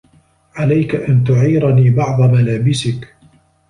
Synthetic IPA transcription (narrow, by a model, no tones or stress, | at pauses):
ʕalajkaʔant̪ʊʕiːɾaniːbɑʕðˤɑmalaːbɪsɪk